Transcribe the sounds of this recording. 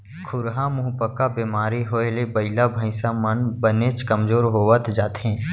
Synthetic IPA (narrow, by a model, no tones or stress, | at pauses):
kʰʊɾɦamʊɦupəkabeːmaːɾiɦoːelebəɪlabʱə̃ɪsamənbənet͡ʃkəmzoːɾɦoːʋət̪d͡ʒaːt̪ɦɛ̃ː